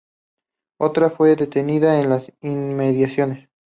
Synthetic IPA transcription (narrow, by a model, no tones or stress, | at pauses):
o̞t̪ɾafwe̞ðe̞t̪e̞niðaenlasinme̞ðjasjo̞ne̞s